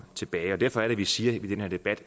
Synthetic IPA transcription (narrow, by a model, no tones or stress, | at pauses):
t͡sʰe̝b̥ɛːɪɒ̽dæɐ̰fɒ̽æɐɾ̥eʋisiːɐid̥enheɐd̥e̝b̥æd̥